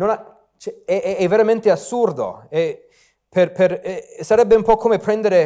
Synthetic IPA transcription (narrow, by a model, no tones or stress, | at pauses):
nona | t͡ʃɛɛʔɛɛvːeɾament̪easːurd̪o̰ɛ | perperɛsaɾɛbːeumpɔkʰːoːmepɾɛnd̪eɾe